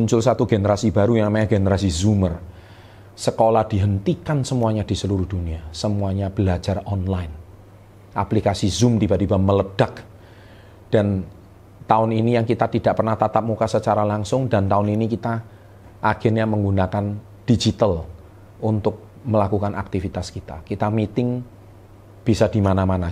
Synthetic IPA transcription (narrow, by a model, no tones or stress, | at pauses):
muɲt͡ʃʊlsat̪uɡenəɾasibaɾujaŋmaaɡenəɾasizumər | səkolahd̥i̤ɦənt̪ikansəmuaɲad̥i̤səluɾʊhd̥uniasəmuaɲab̥əlad͡ʒarɔnlaɪn | ʔaplikasizʊmt̪ibad̪ibamələd̥ak | d̥an | t̪aʊninijaŋkit̪at̪id̥aʔpərnaht̪at̪ap̚mukasət͡ʃaɾalaŋsʊŋdant̪aʊninikit̪a | ʔaɡ̥ɛnɲaməŋɡunakan | d̥id͡ʒit̪əl | unt̪ʊk̚ | məlakukanʔak̚t̪ifit̪askit̪a̰kit̪amit̪ɪŋ | b̥isadimanamana